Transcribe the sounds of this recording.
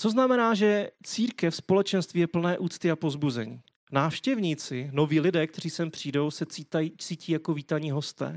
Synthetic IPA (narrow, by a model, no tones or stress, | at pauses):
t͡so̞znamɛnaːʒɛt͡siːɾkɛfspo̞lɛt͡ʃɛnst̪viːjɛpl̩nɛːʔuːt͡st̪ɪapo̞zbuzɛɲiː | naːfʃcɛvɲiːt͡sɪno̞viːlɪdɛːkt̪ɛriːsɛmpr̝̥iːdo̞wsɛiait͡siːciːjakoviːt̪aɲiːɦo̞st̪ɛ̰ː